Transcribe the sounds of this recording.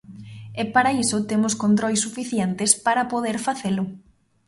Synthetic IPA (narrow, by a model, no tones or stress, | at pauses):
ɛpaɾaisʊt̪emʊskont̪̬ɾojsːufiθjent̪ɪspaɾɐpoðeɾfaθelʊ